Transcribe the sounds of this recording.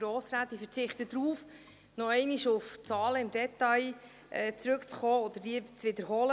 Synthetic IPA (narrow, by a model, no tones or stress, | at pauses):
ɾɔːsɾaːt̪ːifəɾt͡sɪχt̪əd̥̪ɾuːf | nɔɛɪniʃʊft͡sɑːləɪmd̥ɛt̪ɑj | ʔɛːt͡sɾɵkt͡sχɔːɔd̪əɾdiːt͡svɪd̪əɾɦɔlə